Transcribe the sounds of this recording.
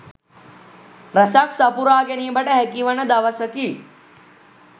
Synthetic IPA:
ɾɐsaksɐpuɾaːɡenibʱɐʈɐɦekiʋɐnɐd̪ɐʋɐsɐki

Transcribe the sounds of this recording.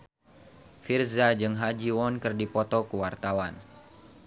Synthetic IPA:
firzad͡ʒɨŋɦad͡ʒiwɔnkɨrdipɔt̪ɔkuwart̪awan

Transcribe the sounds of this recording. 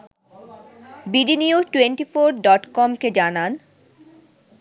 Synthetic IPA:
biɖiniud͡ʑʈweɳʈifoɾɖɔʈkɔmked͡ʑanan

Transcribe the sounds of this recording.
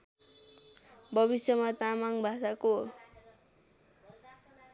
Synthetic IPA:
bʱʌbisjʌmat̪amaŋbʱasako

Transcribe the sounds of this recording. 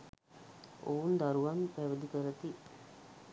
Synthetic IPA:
ound̪aɾuʋanpæʋəd̪ikəɾət̪i

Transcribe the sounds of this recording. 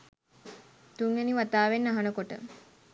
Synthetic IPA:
t̪uŋeniʋat̪aːʋenːaɦanəkoʈə̰

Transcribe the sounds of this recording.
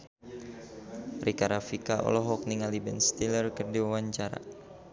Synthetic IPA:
rikaɾafikaʔɔ̰lɔɦɔk̚niŋalibɛnst̪ilərkərdiwawaɲt͡ʃaɾa̰

